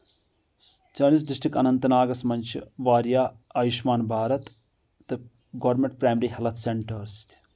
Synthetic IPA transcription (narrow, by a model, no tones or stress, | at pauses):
t͡ʃɐːnisɖisʈɾikɐnɐnt̪ɐnaːɡɐsmɐnʲt͡ʃʰiʋaːɾjaːɐjiʃmaːnbʱaːɾɐt̪ː | ɨ | ɡɐʋɾmeɳʈ̚pɾaːmɐɾiɦɐlɐt̪ʰseɳʈɐɾsi̥t̪ʲʰ